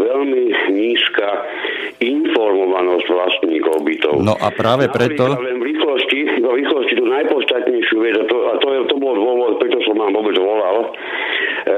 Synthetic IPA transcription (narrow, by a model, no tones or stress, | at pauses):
ʋɛlmiɲiːska | infɔɾmɔʋanɔzɟʋlast̪ɲiːkɔʊbit̪ɔ̰ʊnɔ̰ʔa̰pɾaːʋɛpɾɛt̪ɔlɛnvɾixlɔsciʋɔɾiːxlɔscit̪uːnajpɔt̪st̪at̪ɲɛjʃɪuʋɛd͡zat̪ɔat̪ɔjɛt̪ɔbɔld̪ʊɔʋɔt̪pɾɛt̪ɔsɔmːaːmʋɔbɛd͡zʋɔlal